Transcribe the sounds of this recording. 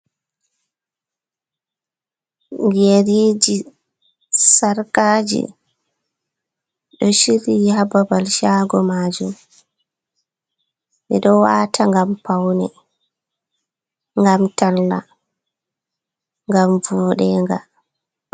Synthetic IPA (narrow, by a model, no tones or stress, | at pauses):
ŋɡeɾiːd͡ʒi | saɾkaːd͡ʒḭ | ɗɔʃiɾihababalʃaɡɔmaːd͡ʒum | mɛɗɔwaːtʰaŋɡampawnɛ | ŋɡamtalːa̰ | ŋɡamvuːɗɛŋɡa